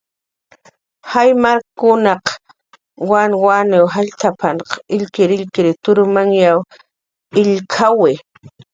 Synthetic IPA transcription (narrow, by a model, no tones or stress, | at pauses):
hajmaɾkʊnaq | wanwanewɦaʎt̪ʰapʰanqɪʎkɪɾɪʎkɪɾɪt̪ʊɾʊmaŋjaw | ɪʎkʰawɪ